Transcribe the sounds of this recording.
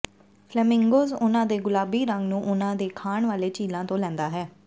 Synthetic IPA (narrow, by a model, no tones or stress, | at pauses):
pʰlɛːmɪ̃ŋɡoːzʊnãːd̪eːɡʊlaːbiːɾəŋɡnũːʔʊnãːd̪eːkʰaːɳʋaːleːt͡ʃiːlãːt̪õːlɛ̃ːnd̪aːɦɛː